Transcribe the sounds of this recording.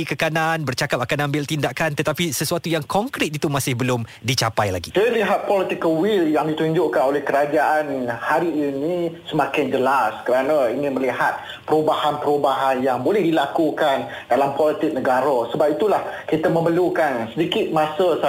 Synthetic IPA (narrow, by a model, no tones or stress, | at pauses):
ikəkananbərt͡ʃakap̚akanãmbɪlt̪indakant̪ət̪apisəsuat̪ujaŋkɔŋkɾɪt̪̚it̪umãsɪhbəlʊmdit͡ʃapajla̰ɡisajəliɦat̪̚pɔlit̪ikəlwɪljaŋdit̪uɲd͡ʒʊʔkanolɛhkəɾad͡ʒaʔanhaɾiinĩsəmakɪnd͡ʒəlaskəɾanãiŋɪ̃nməlihat̪̚ | pəɾubahanpəɾubaɦanjaŋbolɛhdilakukan | dalampɔlit̪ɪk̚nəɡaɾəsəbapit̪ulahkit̪əməməlukansədikɪt̪̚masəsa